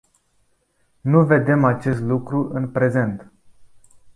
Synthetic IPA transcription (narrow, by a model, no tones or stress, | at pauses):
nuve̞d̪e̞mat͡ʃe̞st̪lukɾuʔɨnpɾe̞ze̞nt̪